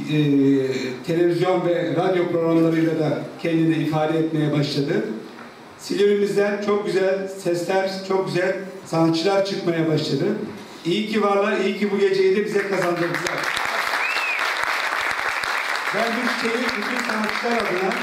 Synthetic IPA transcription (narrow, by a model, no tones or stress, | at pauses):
t̪ʰe̞lʲe̞vizjo̞nvɛɾad̪jo̞pɾo̞ɣɾamlˠaɾɯjlʲˠad̪acʰɛnd̪inɛifaːd̪ɛːt̪me̞jɛbaʃlˠad̪ɯ | silʲoɾimizd̪ʲænt͡ʃʰo̞k̚ɟyzælʲsɛslʲæɾt͡ʃʰo̞k̚ɟyzælʲsanat̪t͡ʃʰːɯlˠaɾt͡ʃʰɯkmajabaʃlˠad̪ɯ | ijicʰivaɾlˠaijicʰibuɟe̞d͡ʒejid̪ɛbizɛkʰazand̪ɯɾbɯzaɾ | bænbut͡ʃʰi̥t͡ʃ̪ʰejibyt̪ʰynsanat̪t͡ʃːɯlˠaɾad̪ɯna